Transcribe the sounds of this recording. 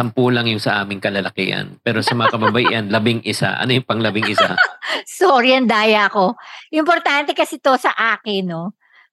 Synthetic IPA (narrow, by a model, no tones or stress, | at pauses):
sɐmpuːlɐŋjʊŋsɐʔaːmɪŋkɐlɐlɐkɪʔɐ̰npɛːɾosɐmɐŋakɐbɐbɐjɪʔɐnlɐbɪŋʔɪsa̰ʔɐ̰nojʊŋpɐŋlɐbɪŋʔɪsa̰soɾiɐnd̪aːjɐɐko̞ʔɪmpoɾt̪ant̪ɛkɐsɛt̪o̞sɐʔaːkɪno